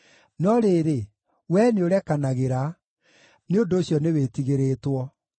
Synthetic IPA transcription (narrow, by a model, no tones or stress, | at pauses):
nɔɾeːɾe | wɛneoɾɛkanaɣeɾa | neondoːɕjɔnewetiɣeɾeːtwɔ